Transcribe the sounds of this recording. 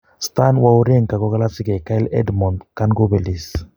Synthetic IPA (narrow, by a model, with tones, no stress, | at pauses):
st̪anwauɾe˦ŋka˨ɡɔ˦ɡa˦la˦si˦kɛ˨ka˦i˦lɛ̰˦dmɔ˨ndkanɡo˦bɛ˨li˨s